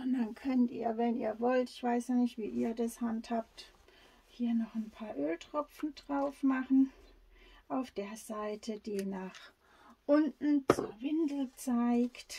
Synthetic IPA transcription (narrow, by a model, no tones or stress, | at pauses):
ʔɔndankʰœntḭːɐvɛniːɐvɔltɪçv̥aɪsjanɪçtv̥ḭːʔiːɐdashanthaːpt | hiːɐnɔχnpʰaːɐʔøːltʁ̥ɔpp͡fn̩dʁaʊfmaχn̩ | ʔaʊfd̥eːɐzaɪtʰəd̥iːnaːχ | ʔʊntn̩t͡suːɐvɪndl̩t͡saɪkt